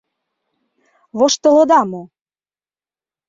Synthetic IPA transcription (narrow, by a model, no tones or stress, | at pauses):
βoʃt̪ɤ̆lɤ̆d̪ɑmo